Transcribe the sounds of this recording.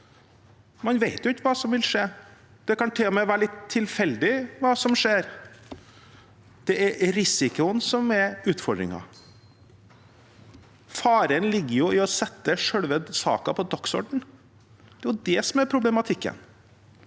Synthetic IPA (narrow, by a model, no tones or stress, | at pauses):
mɑnʋeɪt̪jʊɪtːəʋɑːsɔmʋɪlʂeː | d̪̥ɛkɑnt̪ʰeːmɛɪʋæːɾɭɪt̪ʰːɪlfɛld̪ɪʋɑːsɔmʂeːɾ | d̪̥ɛɛɾɾɪsɪkʊənsɔmɛɾʉːt̪fɔɖɾɪ̰ŋɑ̰ | fɑːɾənlɪɡːəɾjʊɪɔsɛt̪ːəʂœɽʋəd̪sɑ̰ːkɑpʰɔd̪ɔksɔ̰ɖɳ̩ | d̪̥ɛjʊd̪ɛsɔmɛɾpʰɾʊblɛmɑt̪ʰɪkːə̰n